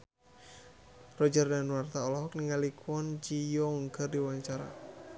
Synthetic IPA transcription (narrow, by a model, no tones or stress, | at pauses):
rɔd͡ʒərdanwart̪aɔlɔɦɔk̚niŋalikwɔnd͡ʒijɔŋɡərdiwaɲt͡ʃaɾa̰